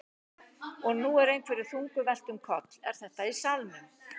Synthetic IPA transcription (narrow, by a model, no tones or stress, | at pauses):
ɔɣnuːɛɾejnkʰvɛɾɪɾ̥θuŋkʏvɛl̥t̪ʏmkʰɔt̪lɛ̰ɾ̥θɛht̪aisalmɪ